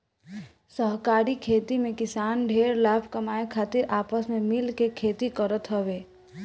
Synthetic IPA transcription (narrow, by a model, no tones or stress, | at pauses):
səɦkaːɾikʰeːt̪imẽkɪsaːnɖʱeːɾlaːbʰʱkɐmaːekʰaːt̪ɪɾaːpəsmẽmɪlkekʰeːt̪ikəɾət̪ɦəʋeː